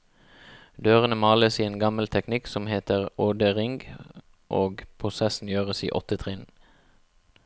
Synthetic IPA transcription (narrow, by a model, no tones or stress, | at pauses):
d̪øːʁənəmɑːləsiːeːnɡɑməlt̪ʰɛknɪksɔmheːt̪əʁoːd̪əʁɪŋɡ | ʔoːɡpʰʁʊsɛsn̩jøːʁəsḭːʔɔt̪ət̪ʰʁɪn